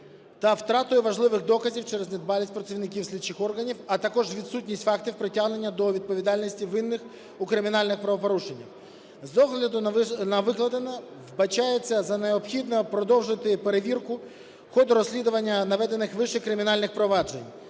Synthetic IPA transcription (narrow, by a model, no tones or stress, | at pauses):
t̪ɐwt̪ɾɑt̪ʊjɛʋɐʒlˠɪʋɪxd̪ɔkɐzʲiwt͡ʃɛɾzʲnʲɛd̪̚bɑlʲisʲtʲpɾɐt͡sʲiʋnɪkʲiwsʲlʲit͡ʃɪxɔrɦɐnʲiwɐt̪ɐkɔʒʋʲid̪sutʲnʲisʲtʲfɑkt̪ʲiwpɾɪtʲaɦne̞nʲːɐd̪ɔʋʲid̪̚pɔʋʲid̪ɑlʲnʲisʲtʲiʋɪnːɪx | ukɾɪmʲinɑlʲnɪxpɾɐʋɔpɔɾuʃenʲːiw | zɔɦlʲɐd̪ʊnɐʋɪklˠɐd̪enɐ | ʋbɐt͡ʃajet͡sʲːɐzɐneɔpxʲid̪nɔpɾɔd̪ɔwʒɪt̪ɪpe̞ɾeʋʲirkʊ | xɔd̪ɾɔsʲlʲid̪ʊʋɐnʲːɐnɐʋɛd̪enɪxʋɪʃɛkɾɪmʲinɑlʲnɪxpɾɔʋɑd͡ʒenʲ